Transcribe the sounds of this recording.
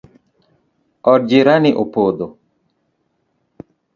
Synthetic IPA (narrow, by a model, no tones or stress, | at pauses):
ɔɾd͡ʒiɾanɪʔopod̪o